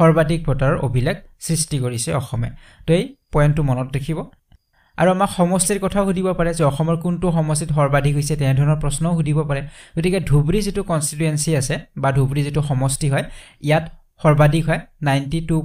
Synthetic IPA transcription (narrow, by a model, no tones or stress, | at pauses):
xɔɹbadik̚bʱɔtaɹɔɹo̰bʱilɛk̚sɹistikoɹisɛɔxɔmɛ̰ | tʊejpɔjntːʊmɔnɔtdekʰiβɔ | a̰ɹuamakxɔmɔstiɹkɔtʰaʊɦudʱibɔpaɹɛzɛɔxɔmɔɹkuntuxɔmɔstitxɔɹbadʱikɦojsɛtɛɛdʱɔɹɔnɔɹpɹɔsnɔʊɦudʱibɔpaɹɛɡotikɛdʱubɹizitukɔnsituensiasɛbadʱubɹizituxɔmɔstiɦɔjijat | xɔɹbadʱikɦɔjnajntitu